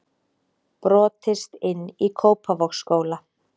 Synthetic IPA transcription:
pɾɔːt̪ɪst̪ɪnːikʰoːwpʰavɔxskoːwla

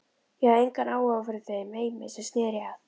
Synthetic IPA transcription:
jɛhaðejŋkanaːwafʏɾɪθemeːjmɛðsɛst̪nɛːɾɪað

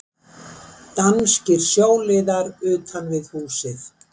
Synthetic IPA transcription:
t̪anscɪɾ̥sjoːwlɪːðaɾʏːt̪ʰanvɪðhuːsɪθ

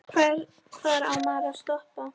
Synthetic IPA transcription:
kʰvɛɾ | kʰvaɾawmaðast̪ɔhpa

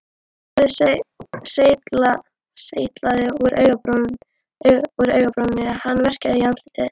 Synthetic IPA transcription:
aɪs | seːjt̪la | seːjt̪laðɪuɾʔœɥɣap | uɾœɥɣapɾɔnːɪahanːvɛr̥caðɪjant̪lit̪ɪ

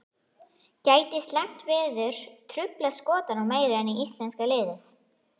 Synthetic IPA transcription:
caːjt̪ɪst̪laŋ̥t̪vɪːðʏɾ̥t̪ʰɾʏplaskɔːt̪anawmeːjɾaɛniist̪lɛnskalɪːðɪθ

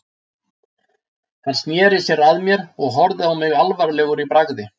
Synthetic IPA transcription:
θanst̪njɛːɾɪsjɛɾaðmjɛɾɔɣɦɔɾðɪawmɪɣalvaɾlɛːɣʏɾipɾaɣðɪ

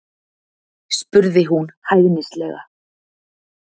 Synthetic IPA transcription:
spʏɾðɪɦunhajɣnɪslɛɣa̰

